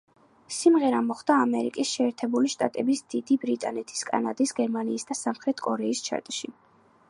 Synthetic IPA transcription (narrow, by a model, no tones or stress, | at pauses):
simʁɛɾamɔχd̪aːmɛɾḭkʼisʃɛːɾt̪ʰɛbuliʃt̪ʼat̪ʼɛbisd̪̥id̪ibɾit̪ʼanɛt̪ʰi̥skʼa̰nad̪isɡɛɾmaniːsd̪asamχɾɛt̪ʰkʼɔɾɛist͡ʃʰa̰ɾt̪ʼʃi